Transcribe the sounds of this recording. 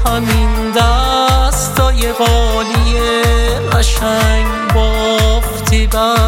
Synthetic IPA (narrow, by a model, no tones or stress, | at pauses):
hamind̪ast̪ɔːjeɣɔlijeaʃaŋ | bɔft̪ʰiba